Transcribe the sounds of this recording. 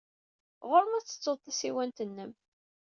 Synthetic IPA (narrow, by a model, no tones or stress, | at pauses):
ʁoɾmæt͡sːə̥t͡sːoðˤt̪ˤːæsiwænt̪ənːəm